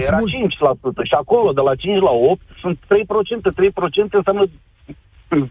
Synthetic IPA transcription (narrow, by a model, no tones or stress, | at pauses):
jeɾat͡ʃint͡ʃʲlasut̪əʃiako̞lo̞d̪e̞lat͡ʃint͡ʃʲlao̞p̚t̪sunt̪ːɾe̞jpɾo̞t͡ʃe̞nt̪e̞t̪ɾe̞jpɾo̞t͡ʃe̞nt̪eɨnsjamnə